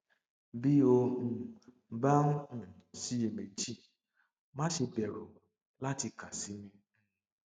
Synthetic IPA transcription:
bi˦o˧ũ˨ | ba˦ũ˦ũ˦˨si˨˦je˨me˨d͡ʒi˦ | mã˦ʃe˧bɛ˨ɾo˨ | la˦ti˧ka˨si˨˦nĩ˧

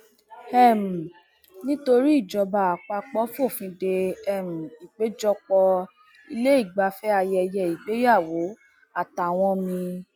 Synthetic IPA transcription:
ɛ˦˨m̩˨ | nĩ˦to˧ɾi˦i˦˨d͡ʒɔ˧ba˧˨a˨k͡pa˧k͡pɔ˨˦fo˦˨fĩ˧de˧ɛ˨m̩˨i˨k͡pe˨˦d͡ʒɔ˧k͡pɔ˧ | i˧le˦i˦˨ɡ͡ba˧fɛ˦a˧jɛ˧jɛ˧˨i˨ɡ͡be˨˦ja˦˨wo˨˦ | a˦˨ta˨w̃ɔ̃˧mĩ˧

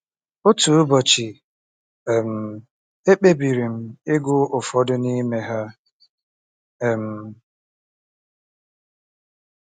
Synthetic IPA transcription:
ʊ˦tu˨ʊ˦bɔ˨t͡ʃɪ˨ | m̩˨ | e˦k͡pe˦bi˨ɾi˨m̩˦ɪ˦ɡʷʊ˦ʔʊ˨fɔ˦dʊ˦ni˦me˦ɦa˦˨ | m̩˨

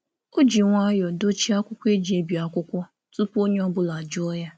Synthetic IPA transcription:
o˦d͡ʒi˨ŋʷa˦jɔ˨do˦t͡ʃi˦a˦kʷʊ˦kʷe˦d͡ʒi˨e˦bi˨a˨kʷʊ˦kʷɔ˦ | tu˦po˦ɲe˦ɔ˦bʊ˦la˨d͡ʒʊ˦ɔ˦ja˦

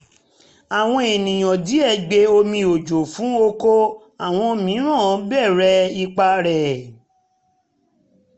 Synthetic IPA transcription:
a˨w̃ɔ̃˦e˨nĩ˨j̃ɔ̃˨di˨˦ɛ˦˨ɡ͡be˧o˧mĩ˧o˨d͡ʒo˨fũ˨˦o˦ko˦ | a˨w̃ɔ̃˧mĩ˨˦ɾ̃ɔ̃˦˨˦bɛ˦˨ɾɛ˦i˧k͡pa˧ɾɛ˨

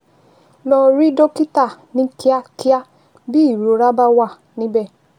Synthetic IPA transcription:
lɔ˧ɾi˦do˦ki˦ta˦˨nĩ˦ki˦a˦ki˦a˦ | bi˦i˦˨ɾo˨˦ɾa˦ba˦wa˦˨ | nĩ˦bɛ˦˨

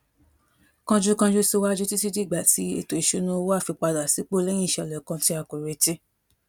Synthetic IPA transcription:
kã˧d͡ʒu˦kã˧d͡ʒu˧˦so˧wa˦d͡ʒu˦ti˦ti˦di˦˨ɡ͡ba˨ti˨˦ḛ˦˨to˨i˨ʃo˧nũ˦o˧wo˦a˦˨fi˧k͡pa˧da˨si˨˦k͡po˦lɛ̃˦ĩ˦˨ʃɛ˧ɔ˨lɛ˨kã˧ti˧˦a˧˨ko˨ɾe˨˧te˦

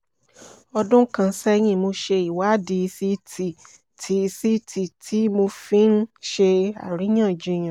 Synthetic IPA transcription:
ɔ˧dʊ̃˦kã˧n̩˦sɛ˦j̃ĩ˧˨mo˧ʃe˧i˨wa˨˦di˨˧si˦ti˨ | tʰi˨˦˧si˦tʰi˨tʰi˨˦mo˧fĩ˦n̩˦ʃe˧a̰˨ɾi˨˦j̃ã˦˨d͡ʒũ˧˦j̃ã˨

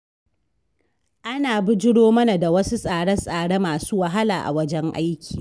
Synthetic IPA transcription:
ʔa˦naː˨bʊ˦d͡ʒɪ˦ɽoː˦mɐ˦na˨da˨wɐ˦su˦sʼaː˨ɽɐ˦nsʼaː˨ɽe˦maː˨suː˦wɐ˨ɦa˦laː˨ʔa̰˨wɐ˦d͡ʒɛ˦ŋʔa̰˦jkʲʰi̥ː˨

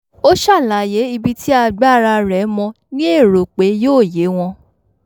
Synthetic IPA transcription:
o˦ʃa˦˨la˨je˨˦i˧bi˦tʰi˦a˧ɡ͡ba˦˨ɾa˧ɾɛ˨˦mɔ̃˧ | nĩ˦e˦˨ɾo˨k͡pe˨˦joː˦˨je˨˦w̃ɔ̃˧

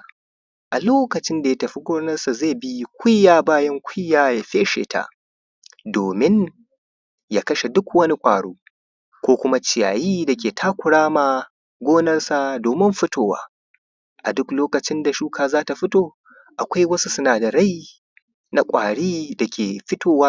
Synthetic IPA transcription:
ʔa˨loː˦kɐ˨t͡ʃɪ˦nda˨ja˦tɐ˨ɸi˦ɡʷoː˦nɐ˦rsa˨zeː˦˨bi˦kʷʊ˦jːaː˨baː˦jɐ˦ŋkʷʰʊ˦jːaː˦ja˨ɸe˦ʃḛː˨ta̰˦ʔ | doː˨mɪ˦n | ja˦˨kɐ˦ʃe˨dʊ˦kwɐ˦ni˦kʷʼaː˨ɽuː˦ | kʷoː˦kʷʊ˦ma˦t͡ʃɪ˨ja̰ː˨jiː˦dɐ˨kʲeː˨tʰaː˦kʷʊ˨ɽaː˦maː˨ | ɡʷoː˦nɐ˦rsa˨doː˨mɪ˦mɸɪ˦tʰoː˨wa̰ː˦ | ʔa̰˨dʊ˦kloː˦kɐ˨t͡ʃɪ˦nda˨ʃuː˦kʰaː˨zaː˦ta˨ɸɪ˦toː˦ | ʔa˨kʷa˦jwɐ˦su˦sʊ˦naː˨da˨ɽa˦j | na˨kʷʼaː˨ɽiː˦da˨kʲeː˨ɸɪ˦tʰoː˨waː˦

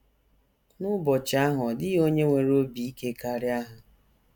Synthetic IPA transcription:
nʊ˦bɔ˨t͡ʃa˦ɦʊ˨dɪ˦o˦ɲe˦ŋʷe˨ɾo˦bi˨i˦ke˦ka˦ɾɪ˦a˦ɦʊ˨

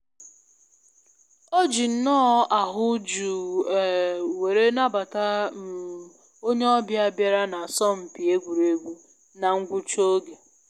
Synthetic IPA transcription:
o˦d͡ʒi˨n̩˦nɔ˦a˨ɦʊ˦d͡ʒu˨ | we˨ɾe˦na˦ba˨ta˦˨ | o˦ɲe˦ɔ˦bja˦bja˦ɾa˦na˨sɔ˦m̩˨pi˨e˦ɡʷu˨ɾe˨ɡʷu˦ | na˨ŋ̩˦ɡʷu˦t͡ʃo˦ɡe˨

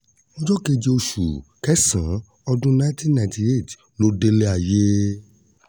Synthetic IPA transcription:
mõ˦d͡ʒɔ˦ke˧d͡ʒe˧o˧ʃṵ˨kɛ˦sã˨˦ | ɔ˧dũ˦nã˦tĩ˦nnã˧˨˦tĩ˧e˦˨t | lo˦de˧le˦a˨je˦

